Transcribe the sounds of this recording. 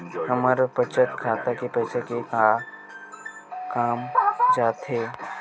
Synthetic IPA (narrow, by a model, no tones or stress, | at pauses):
hɐməɾpət͡ʃət̪kʰaːt̪akepɛːsekeka | kaːmd͡ʒaːt̪ɦeː